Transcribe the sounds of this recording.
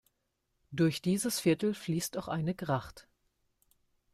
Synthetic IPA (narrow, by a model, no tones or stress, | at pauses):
d̥ʊɐçd̥iːzəsfɪɐtl̩fliːstaʊxʔa̰ɪnəɡʁaχt